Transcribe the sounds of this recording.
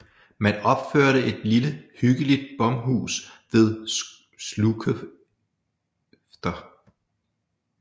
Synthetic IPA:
mænɒ̽b̥føɐ̰ɾəʔe̝d̥liləhyɡ̥əlid̥̚b̥ɒ̽mɦṵːsʋe̝ð̞ˠ | slukʰ | fd̥ɐ

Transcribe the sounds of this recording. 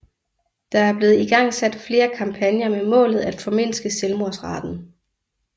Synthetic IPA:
d̥ɑ̈æɐb̥le̝ːð̞̩ˠiɡ̥ɑ̈ŋ̰sæd̥fle̝ːɐkʰɑ̈mpʰænjɐmemɔ̰̽ːlð̞̩ˠæd̥fɒ̽me̝n̰sɡ̥əselmoɐsʁɑ̈d̥n̩

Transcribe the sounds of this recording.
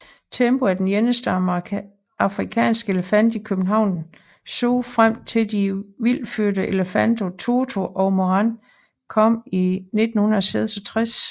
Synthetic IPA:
t͡sʰemb̥o̝æd̥enjenəsd̥ə | ɑ̈fʁikʰɛ̰ːnsɡ̥əe̝ləfæn̰d̥ikʰøb̥n̩ɦɑ̈ʊ̰n | so̰ːfʁam̰t͡sʰe̝ld̥iʋil̰fyɐ̰ɾəʔe̝ləfænd̥o̝t͡sʰoːt͡sʰo̝ʔɒʊmoɑn | kʰɒ̽m̰ine̝d̥n̩hunɐɒseð̰ˠsɒ̽t͡sʰʁas

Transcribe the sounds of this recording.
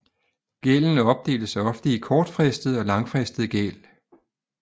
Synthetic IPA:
ɡ̥eln̩əɒ̽b̥̚d̥e̝̰ːldəsɑɪɒ̽fd̥əikʰɒːd̥fʁɛsd̥ðˠɒ̽lɑ̈ŋfʁɛsd̥ð̩ˠəɡ̥ḛl

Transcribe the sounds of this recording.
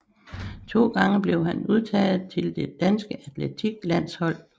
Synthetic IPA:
t͡sʰo̝̰ːɡ̥ɑ̈ŋəb̥le̝ʊɦænuð̞ˠt͡sʰɛ̰ːð̩ˠt͡sʰe̝ld̥e̝d̥ænsɡ̥əæt͡sʰlet͡sʰiɡ̥læn̰shɒ̽l̰

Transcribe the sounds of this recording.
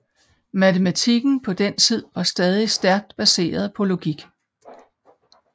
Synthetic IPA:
mæt͡sʰemæt͡sʰiɡ̥n̩pʰɒ̽d̥ent͡sʰið̰ˠʋɑ̈sd̥ɛːð̞ˠisd̥æɐɡ̥̚d̥b̥æse̝̰ːɐð̞̩ˠpʰɒ̽lo̝ɡ̥iɡ̥

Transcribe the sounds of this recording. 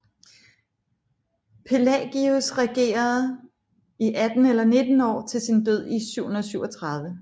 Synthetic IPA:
pʰe̝lɛɡ̥iusʁɛɡ̥e̝̰ːɐð̩ˠ | iʔæd̥n̩elɐne̝d̥n̩ɒ̰ːt͡sʰe̝lsind̥øð̰ˠisyʊ̰hunɐðˠsyʊɒt͡sʰʁɑ̈ð̞ˠʋə

